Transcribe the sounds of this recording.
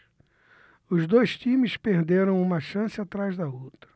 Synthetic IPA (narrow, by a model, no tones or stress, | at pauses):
ʊzd̪ojʃt̪ĩmɪspeɾd̪eɾɐ̃w̃ũmɐʃɐ̃sɪat̪ɾazd̪ɐowt̪ɾɐ̥